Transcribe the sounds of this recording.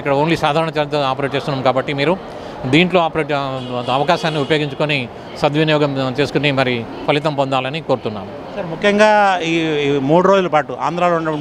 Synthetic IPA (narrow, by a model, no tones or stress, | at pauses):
ikːɐɽɐoːnlisaːd̪ʱaːɾɐɳɐt͡ʃet̪oaːpɐɾeːʈ̚t͡ʃest̪unːaːmkaːbɐʈːimiːɾu | d̪iːɳʈlo̞ːaːpɐɾeːʈɐʋɐkaːʃaːnːiupɐjoːɡiɲt͡ʃu̥koni | sɐd̪ʋinjɔːɡɐmt͡ʃe̞ːsukunimɐɾi | pʰɐlit̪̬ɐmpond̪aːlɐnikoːɾut̪unːa̰ːmu | sɐɾmukʰjɐŋɡaːiːmuːɽuɾod͡ʒulɐpaːʈua̰ːnd̪ɾaːlouɳɐɐ